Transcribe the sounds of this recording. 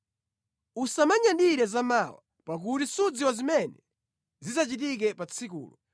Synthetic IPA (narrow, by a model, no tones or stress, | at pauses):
usamaɲandiɾɛzamawa̰ | pak̬utisud͡ziwazimɛnɛ | zizat͡ʃitik̬ɛpat͡sʰikṵːlɔ